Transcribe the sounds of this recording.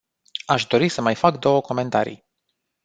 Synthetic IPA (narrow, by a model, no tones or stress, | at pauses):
aʃd̪o̞ɾisəmajfakd̪o̞wəko̞me̞nt̪aɾḭj